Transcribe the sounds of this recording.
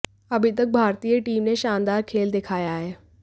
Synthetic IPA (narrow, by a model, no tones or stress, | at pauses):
ɐbʱɪt̪ək̚bʱaːɾt̪iːjəʈiːmnẽʃaːnd̪aːɾkʰeːld̪eːkʰaːjaːɦeː